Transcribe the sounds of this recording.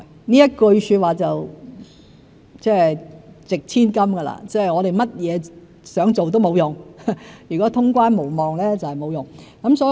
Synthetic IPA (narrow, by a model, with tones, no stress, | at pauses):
niː˥jɐ˥t̚kɵ˧ɥsyː˧t̚waː˨˩t͡sɐ˨w | t͡sɛː˥˩t͡sɪ˨k̚t͡sʰiː˥nkɐ˥mɡɐ˧la̰ː˥t͡sɛː˥˨jŋɔː˨˧ɾe˨jmɐ˥t̚jɛː˨˧ | sœː˨˥ŋt͡so˨wt̪o˥wmo˨˧wjʊ˨˩ŋjyː˨˩kɔː˨˥t̪ʰʊ˥ŋkʷwaː˥nmo˨˩wmɔː˨˩ŋlɛː˥t͡sɐ˨whɛ˨jmo˨˧wjʊ˨˩ŋ | kɐ˨˦˥msɔː˨˧˥